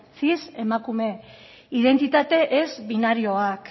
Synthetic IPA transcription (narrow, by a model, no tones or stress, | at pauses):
t͡sise̞makume̞ | iðe̞nt̪it̪at̪e̞ʔezβinaɾio̞ak